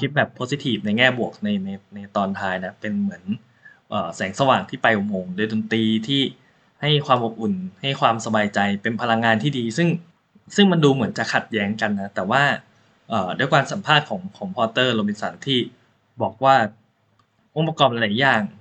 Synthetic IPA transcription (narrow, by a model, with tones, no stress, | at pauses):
kʰi˦˥t̪̚bɛː˨˩pʰːo˦˥si˧˥t̪ʰiː˨˩p̚na˧jŋɛː˥˩bu˨˩ək̚na˧jna˧jna˧jt̪ɔː˧nt̪ʰaː˧jna˦˥pe˧nmɯ˩˦ən | ʔəː˨˩sɛː˩˦ŋsa˧waː˨˩ŋt̪ʰiː˥˩pa˧jʔo˨˩moː˧ŋdoː˧jdoː˧nt̪iː˧t̪ʰiː˥˩ | ha˥˩jkʰwaː˧mʔo˨˩p̚ʔu˨˩nha˥˩jkʰwaː˧msa˧baː˧jt͡ɕa˧jpe˧npʰa˧la˧ŋːaː˧nt̪ʰiː˥˩diː˧sɯ˥˩ŋ | sɯ˥˩ŋma˧nduː˧mɯ˩˦ənt͡ɕa˨˩kʰa˨˩t̪̚jɛː˦˥ŋka˧nːa˦˥t̪ɛː˨˩waː˥˩ | ʔəː˨˩do˧˩˦jkwaː˧nsa˨˩˦mpʰaː˥˩t̪̚kʰɔː˩˦ŋkʰɔ˩˦ŋpʰɔː˧t̪ɤː˥˩loː˧mi˧nsa˩˦nt̪ʰiː˥˩ | bɔː˨˩k̚waː˥˩ | ʔo˨˧˥pːa˧kɔː˧mʔa˧laː˨˩˦jaː˧˨˩ŋ